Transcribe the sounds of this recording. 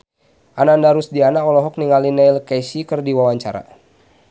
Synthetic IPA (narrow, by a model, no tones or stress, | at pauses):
ʔanandaɾusdianaɔlɔɦɔk̚niŋalinɛjlkɛsikərdiwawaɲt͡ʃaɾa̰